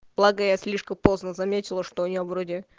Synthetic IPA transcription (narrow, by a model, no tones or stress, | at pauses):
b̥lˠaɡəjasʲlʲiʂkəmpo̞znəzɐmʲetʲɪlˠəʂt̪oʊnʲɪovɾodʲɪ